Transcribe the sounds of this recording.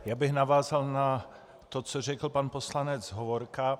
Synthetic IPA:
jaːbɪɣnavaːzalna | t̪ot͡sorɛkl̩panpo̞slanɛd͡zɦovoɾka

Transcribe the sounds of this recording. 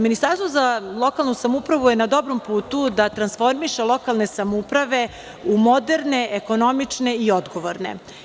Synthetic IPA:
minist̪aɾst̪ʋozalˠo̞kalˠnusamupɾaʋujenad̪o̞bɾompuːt̪ud̪at̪ɾansfo̞ɾmiʃelˠo̞kalˠne̞samoupɾaʋe̞ | umo̞d̪e̞ɾne̞ʔeko̞no̞mit͡ʂne̞io̞d̪ɡo̞ʋoɾne̞̰

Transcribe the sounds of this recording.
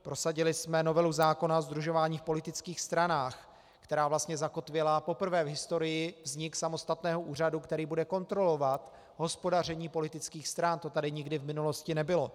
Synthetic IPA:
pɾo̞saɟɪlɪsmɛno̞vɛluzaːko̞naozd̪ɾuʒo̞vaːɲiːfpo̞lɪt̪ɪt͡skiːxst̪ɾanaːx | kt̪ɛɾaːvlast̪ɲɛzako̞t̪vɪlapo̞pr̩vɛːvɦɪst̪o̞ɾɪjɪvzɲɪksamo̞st̪at̪nɛːɦoʔuːr̝adukt̪ɛɾiːbudɛko̞nt̪ɾo̞lo̞vat̪ | ɦo̞spo̞dar̝ɛɲiːpo̞lɪt̪ɪt͡skiːxst̪ɾant̪o̞t̪adɪɲɪɡdɪvmɪnulo̞scɪnɛbɪlo̞

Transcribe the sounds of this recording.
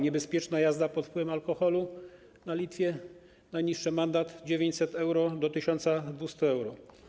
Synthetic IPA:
ɲɛbɛspʲjɛt͡ʂnajazd̪apɔt̪fpwɘvɛmalkɔxɔlu | nalʲit̪fʲjɛ | najɲiʂːɛmand̪at̪d͡ʑevʲjeɲt͡ɕʲsɛt̪ɛwɾɔd̪ɔt̪ɘɕɔnt̪sad̪vust̪uɛwɾɔ

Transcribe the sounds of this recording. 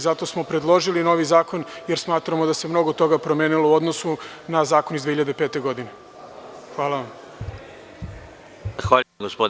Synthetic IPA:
zat̪o̞smo̞pɾe̞d̪lˠo̞ʒilino̞ʋizaːko̞nje̞ɾsmaːt̪ɾamo̞d̪ase̞mno̞ɡot̪o̞ɡapɾo̞meːnilˠouo̞d̪no̞sunazaːkonizd̪ʋeçiʎad̪epe̞ːt̪e̞ɡo̞d̪ine̞ | xʋaːlˠaʋam | xʋaːɡospo

